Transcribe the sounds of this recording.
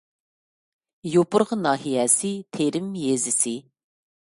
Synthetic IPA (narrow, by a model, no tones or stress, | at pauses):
jopʊɾʁənɑːɦijɛsɪt̪ʰeɾɪmjezɪsɪ